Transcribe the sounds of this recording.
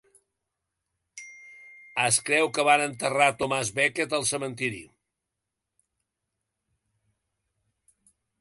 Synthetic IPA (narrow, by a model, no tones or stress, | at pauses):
əskɾɛwkəβanənt̪ərat̪omazβɛkət̪əlˠsəmənt̪iɾḭ